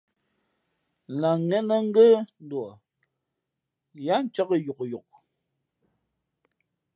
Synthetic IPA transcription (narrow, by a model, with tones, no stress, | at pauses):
la˨ŋɛ˦nə˦ŋ̩˦ɡə˦n̩˦dwɔ˨ | ja˦n˦t͡ʃə˦kə˦ju˨kju˨k̚